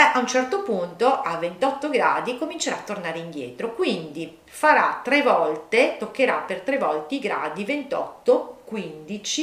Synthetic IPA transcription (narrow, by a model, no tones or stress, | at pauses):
ʔaunt͡ʃɛrt̪opunt̪oʔavːent̪ɔt̪ːoɡɾa̰ːd̪ikomint͡ʃeɾaːt̪ːornaːɾeind̪jɛ̰ːt̪ɾokwind̪i | faɾat̪ːɾɛvɔlt̪et̪okːeɾa̰pert̪ɾevɔlt̪eiɡɾa̰ːd̪ivent̪ɔ̰t̪ːokwind̪it͡ʃi